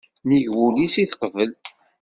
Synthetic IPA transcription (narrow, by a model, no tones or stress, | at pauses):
niʝwulisiθqəvəl